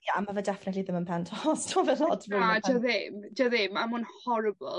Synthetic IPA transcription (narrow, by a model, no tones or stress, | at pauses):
jaamavɛdɛfɪnətliðəmənpʰɛntʰɔstʰɔvɛlɔd̥adəðɪmdəðɪmamʊnhɔɾəbəlˠ